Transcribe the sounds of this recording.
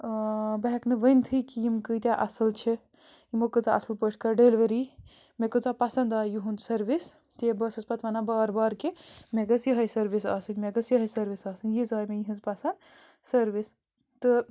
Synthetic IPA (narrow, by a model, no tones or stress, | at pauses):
bɐɦɛknɨʋəjnt̪ʰɨkijimkɨt̪ʲjaʔɐsɐlt͡ʃʰi | imokɨt͡saʔɐsɐlpəʈʰkɐɾɖelʋeɾi | mekɨt͡sapasɐnd̪aːjuɦunsɐɾʋis | t̪ebəsɐspɐt̪ʰʋɐnabɐːɾbaːɾkemeɡɐsjɐɦɐjsɐɾʋisɐːsɨnʲmeɡɐsjɐɦɐjsɐɾʋisɐːsɨnjizaːjmejiɦĩnzpasɐnd̪ | sɐɾʋis | t̪ɨ